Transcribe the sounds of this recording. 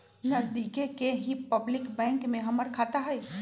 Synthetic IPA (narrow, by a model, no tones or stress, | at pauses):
nɐzd̪iːkekeɦipɐblɪkbɛ̃ːŋkmẽɦɐməɾkʰaːt̪aɦɛː